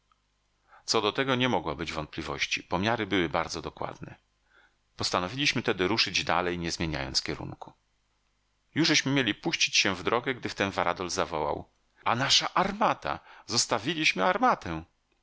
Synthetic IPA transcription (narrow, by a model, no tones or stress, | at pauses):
t̪sɔd̪ɔt̪ɛɡɔɲɛmɔɡwɔbɘd͡ʑvɔnt̪plʲivɔ̰ɕt͡ɕḭpɔmʲjaɾɘbɘwɘbaɾd̪zɔd̪ɔkwa̰d̪nɛ̰ | pɔst̪anɔvʲilʲiɕmɘt̪ɛd̪ɘɾuʂɘd͡ʑd̪a̰lɛjɲɛzmʲjeɲa̰jɔnt̪sfkʲɛɾṵŋku̥ | juʐɘɕmɘmʲjelʲipuɕt͡ɕi̥t͡ɕɕɛvd̪ɾɔɡɛɡd̪ɘft̪ɛnvaɾʔad̪ɔlzavɔwa̰w | anaʂaʔaɾmat̪a̰zɔst̪avʲilʲiɕmɘaɾmat̪ɛ̃